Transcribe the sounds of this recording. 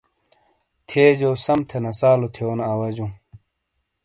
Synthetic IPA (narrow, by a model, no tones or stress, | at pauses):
t̪ʰeːd͡ʑoːsɐmt̪ʰenɐsaːlot̪ʰeonɐwɐd͡ʑũ